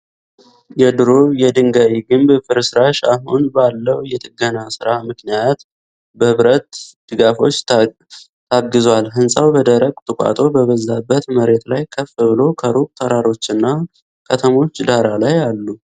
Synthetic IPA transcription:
jɛd̪ɨɾojɛd̪ɨŋɡawiɡɨmbfɨɾɨsɨɾaʃa̰ɦunbalːəwjɛt̪ʼɨɡənasɨɾamɨknijat̪ | bəhɨβɾət̪d̪̥ɨɡafo̞t͡ʃː | t̪ʰaɡːɨzwalɦɨnsʼawbəd̪əɾəɡʼt̪ʰʼɨkʷʼa̰t̪ʼo̞bəβəzːabːət̪məɾe̞t̪lajkʰəfɨβɨlo̞kʰəɾukʼt̪ʰəɾaɾo̞t͡ʃːɨnːa | kʰət̪ʰəmo̞t͡ʃːd̪aɾalajalːu

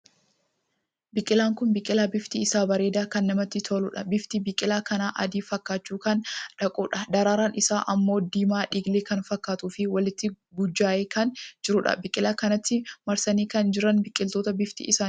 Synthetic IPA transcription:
bɪkʼɪlaːŋkʊnbɪkʼːɪlaːbɪft̪iɪsaːbɐɾeːd̪aːkɐnːɐmɐt̪ːɪt̪ʰolʊᶑɐbɪft̪ibɪkʼːɪlaːkɐnaːʔɐ̰d̪iːfɐkːaːt͡ʃːuːkɐnᶑɐkʼuːᶑɐd̪ɐɾaːɾaːnɪsaːʔɐmːoːd̪iːmaːᶑiːɡleːkɐnfɐkːaːt̪uːfɪwɐlɪt̪ːɪ | ɡʊd͡ʒːaːʔeːkɐnd͡ʒɪɾʊᶑɐ̰bɪkʼɪlaːkɐnɐt̪ːɪmɐɾsɐniːkɐnd͡ʒɪɾɐnbɪkʼːɪlt̪o̞ːt̪ɐbɪft̪ḭʔɪsaː

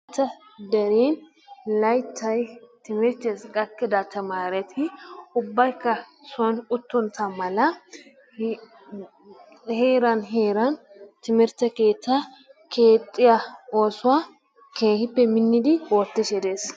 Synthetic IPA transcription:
t̪ːɐd̪ɐɾiːn | lɐjt̪ʰːɐjt̪ɪmɪɾt̪eskʼɐkːɪd̪at̪ːɐmaːɾɛt̪ʰɪʊbːɐjkːɐ | sʊɐnʊt̪ːɔnt̪ʰɐmɐlɐ | heːɾɐnɦeːɾɐn | t̪ɪmɪɾt̪ːɛke̞ːt̪ːɐ | kʰe̞ːt̪ʼːɪjaoːsʊwa | kʰeːhɪpːɛmɪnːɪd̪ɪwɔt̪ːɪʃɛd̪eːs

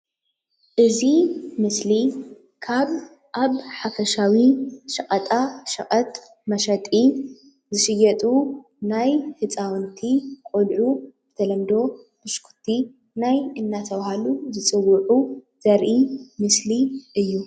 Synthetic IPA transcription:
ʔɨzimɨsli | kʰaβ | ʔaβħafɐʃawiʃɐkʼɐt̪ʼaʃɐkʼɐt̪ʼ | mɐʃɐt̪ʼi | zɨʃɨjɐt̪ʼu | najhɨt͡sʼawnt̪ʰikʼolʕuzɨt̪ʰɐlɐmd̪o̞ | mɨʃkʰu̥t̪ʰi | najɨnːat̪ʰɐβhaluzɨt͡sʼɨwːʊʕu | z̥ɐɾʔimɨsliʔɨjːu

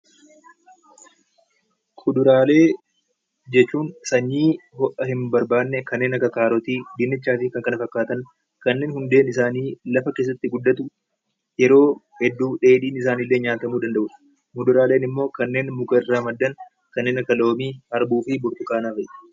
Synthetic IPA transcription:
kʰʊd̪ʊɾaːle̞ː | d͡ʒɛt͡ʃːuːnsɐɲːiːhɔʔɐhɪmbɐɾbaːnːɛkɐnːeːnɐkɐkaːɾɔt̪iːd̪ɪnːɪt͡ʃːaːfɪkɐŋkɐnɐfɐkːaːt̪ɐn | kɐnːe̞ːnhʊnd̪e̞ːnɪsaːniːlɐfɐke̞ːs̬ːɐt̪ːɪɡʊd̪ːɐt̪ʊ | jɛɾo̞ː | hɛd̪ːuːᶑe̞ːᶑiːnɪsaːniːlːe̞ːɲaːt̪ɐmuːd̪ɐnd̪ɐʔʊ̥ | kʊd̪ʊɾaːle̞ːnɪmːo̞ːkɐnːe̞ːnmʊkɐɪrːaːmɐd̪ːɐn | kɐnːe̞ːnɐkːɐlo̞ːmiːɐɾbuːfɪbʊɾt̪ʊkaːnaːfɐʔɛ̥

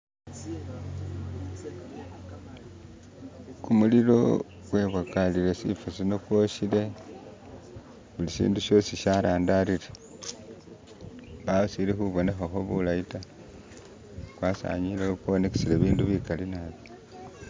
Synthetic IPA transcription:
kumuliɾo̞̰ | ɡ̥we̞βakaliɾe̞sḭfusino̞kwo̞ʃile̞ | βulisḭːnduʃo̞siʃaɾaːndaɾiɾe | βaβusiɾexuβo̞ne̞xaxo̞βulaita | kwaːsa̰ɲilekuβoneke̥siɾeβiːnduβikalinaβjo

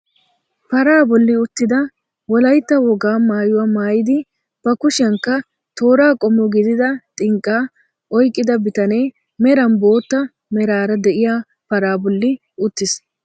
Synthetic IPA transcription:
pɐɾaːbɔlːɪʊt̪ːɪd̪ɐ | wɔlɐjt̪ːɐwɔɡaːmaːjʊwamaːjɪd̪ɪ | b̥ɐkʊʃɪɐŋkːɐ | t̪o̞ːɾaːkʼɔmːɔɡɪd̪ɪd̪ɐt̪ʼɪŋkʼːaː | ʔɔjkʼːɪd̪ɐbɪt̪ɐneː | mɛɾɐnbo̞ːt̪ːɐ | mɛɾaːɾɐd̪ɛʔɪjaː | pɐɾaːbɔlːɪ | ʊt̪ːɪs

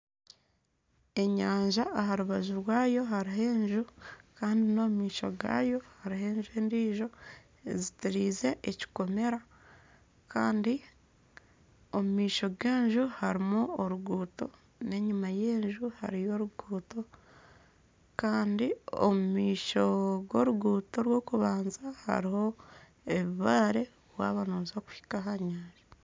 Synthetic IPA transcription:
e̞ɲaːɲʒaːɦaɾuβazuɾwaːjo̞ɦaɾiɦe̞ːɲʒukaːndino̞ːmumiːʃo̞̰ɡa̰ːjo̞haɾihe̞ːɲʒue̞ːndiːʒo̞ | ezitiɾiːze̞ʔeci̥ko̞me̞ɾa | kaːndi | omumiːʃo̞ɡe̞ːɲʒuhaɾimuoɾuɡuːto̞̰ | ne̞ɲumaje̞ːɲʒuha̰ɾijo̞ɾuɡuːto̞ | kaːndio̰mumiːʃo̞ɡo̞ːɾuɡuːto̞ɾwo̞ːkuβaːnzaha̰ɾiho̞ | eβuβaːɾe̞ | βwa̰ːβanoːzoku̥hi̥kaɦaɲaːɾi

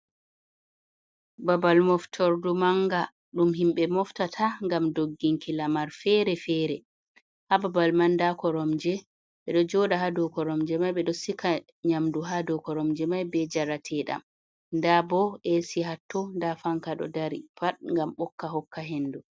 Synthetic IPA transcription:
babalmɔftʰɔɾdumaŋɡa | ɗumɦimɓɛmɔftatʰaŋɡamdoɡːiŋkilamaɾfɛɾɛfɛɾɛ | hababalmandakɔɾɔmd͡ʒɛ | ɓɛɗɔd͡ʒɔɗaɦadɔkɔɾɔmd͡ʒɛmajɓɛɗɔsikʰa | ɲamduɦadɔkɔɾɔmd͡ʒɛmajbɛd͡ʒaɾatʰɛɗa̰m | ndabɔɛsiɦatːɔndafaŋkaɗɔ̰daɾipaɗŋɡamɓɔkːaɦɔkːaɦendu

